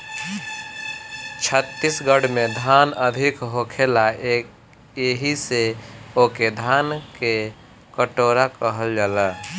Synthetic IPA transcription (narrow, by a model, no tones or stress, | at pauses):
t͡ʃʰət̪ːisɡəɽmed̪ʱanəd̪ʱikɦokʰelae | jeɦiseoked̪ʱanke | kəʈoɾakəɦəld͡ʒalə